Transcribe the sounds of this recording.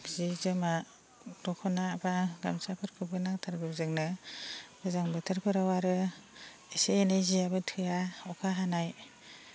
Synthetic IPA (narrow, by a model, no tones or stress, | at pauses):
zizɯma | d̥ɔkʰɔnabaɡamsapʰɯɾkʰɯbɯnaŋtʰaɾɡɯbzɯŋnɯ | b̥ɯzaŋbɯtʰɯɾpʰɯɾawaɾɯ | eseːnajziabɯtʰɯjaɔkʰaɦanaj